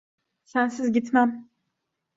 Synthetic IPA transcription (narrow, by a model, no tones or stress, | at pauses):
sænsizɟit̪mæm